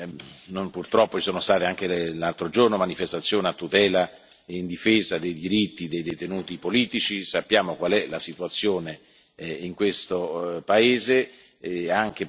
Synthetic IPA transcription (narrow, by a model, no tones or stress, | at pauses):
nompurt̪ɾɔpːot͡ʃi̥soːnost̪aːt̪eaŋk̟elalt̪ɾod͡ʒornomanifest̪at̪sːjoːneat̪ːut̪ɛːla | eind̪ifeːzad̪ejd̪iɾit̪ːid̪ejd̪ejt̪enuːt̪ipoliːt̪it͡ʃisapːjaːmokwalɛlasit̪uat̪sːjoːne | iŋkwest̪opaeːze | aŋk̟e